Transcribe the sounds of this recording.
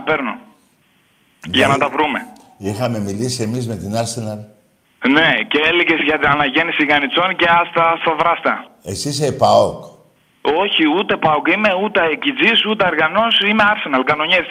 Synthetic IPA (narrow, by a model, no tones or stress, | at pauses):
ɐpe̞ɾno | ʝɐnɐt̪ɐvɾume̞ | ixɐme̞milisie̞mizme̞t̪inɐɾsenɐl | ne̞ceeliʝe̞zʝɐt̪inɐnɐʝe̞nisiɣɐnit͡so̞nce̞ɐst̪ɐst̪ɐvɾɐst̪ɐesis̬epaok | o̞çiut̪e̞pɐokime̞ut̪eecid͡zisut̪eɐɾɣɐno̞sime̞ɐɾse̞nɐlkɐno̞ɲes